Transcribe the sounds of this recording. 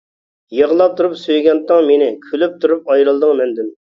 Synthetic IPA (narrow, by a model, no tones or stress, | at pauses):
jəʁlˠɑp̚t̪ʰuɾupsøjɡʲɛnt̪ːəŋmenɪkʲʰølyp̚t̪ʰuɾup̚ɑjɾɨlˠd̪ɨŋmɛnd̪ym